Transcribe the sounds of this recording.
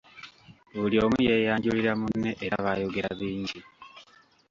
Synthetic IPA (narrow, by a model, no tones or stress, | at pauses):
βulijo̞ːmuje̞jaːɲɟuliɾamunːe̞ʔeɾaβajo̞ɡe̞ɾaβiːɲɟi